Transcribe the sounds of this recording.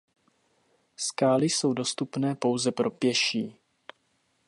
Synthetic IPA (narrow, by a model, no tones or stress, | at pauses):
skaːlɪso̞wdo̞st̪upnɛːpo̞wzɛpɾo̞pjɛʃiː